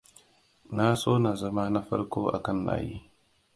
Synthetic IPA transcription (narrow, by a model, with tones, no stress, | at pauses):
na˦sʼoː˦na˨zɐ˦ma˦na˦ɸɐ̰˦rkʷoː˦ʔa̰˨kɐ˦nla̰ː˨jḭː˦